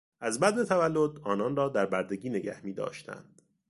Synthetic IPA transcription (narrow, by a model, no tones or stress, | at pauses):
ʔæzbæd̪ne̞t̪ʰævælːo̞d̪ɒːnɒːnrɒːd̪æɾbæɾd̪e̞ɟiːne̞ɟæ̰hmiːd̪ɒ̰ːʃt̪ʰæ̰nd̪̥